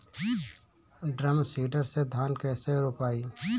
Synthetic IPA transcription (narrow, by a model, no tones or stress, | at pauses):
ɖɾəmsiːɖəɾsed̪ʱaːnkɛːseɾoːpaːiː